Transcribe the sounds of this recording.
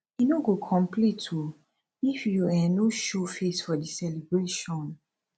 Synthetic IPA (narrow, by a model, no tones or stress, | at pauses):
jinoɡokʰɔ̃mplitʰu | ifjuanoʃofesfɔdisɛlibɹeʃɔ̃n